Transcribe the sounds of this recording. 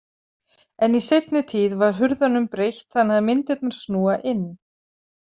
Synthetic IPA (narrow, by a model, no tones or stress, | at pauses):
ɛnisejt̪nɪt̪ʰiːðvaɾ̥ɦʏɾðanʏmpɾejht̪θanaðmɪnt̪ɪt̪̚naɾ̥snuːaʔɪnː